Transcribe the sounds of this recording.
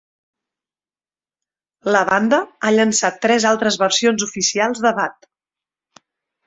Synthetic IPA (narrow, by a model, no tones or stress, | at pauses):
ləβand̪əaʎənsat̪ːɾɛzalˠt̪ɾəzβəɾsionzufisialˠzðəβat̪